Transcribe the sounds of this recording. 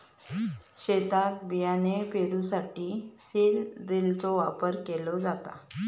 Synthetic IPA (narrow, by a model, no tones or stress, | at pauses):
ɕet̪at̪̚bijanepeɾusaʈiːselɾelt͡sɔʋapəɾkelɔd͡zat̪a̰